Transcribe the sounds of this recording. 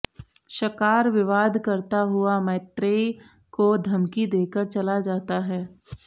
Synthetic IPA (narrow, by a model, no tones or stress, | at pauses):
ʃɐkaːɾʋɪʋaːd̪ʱkɐɾt̪aɦʊamɛːt̪ɾeː | kod̪ʱɐmkid̪eːkəɾt͡ʃɐlad͡ʒaːt̪aɦɛː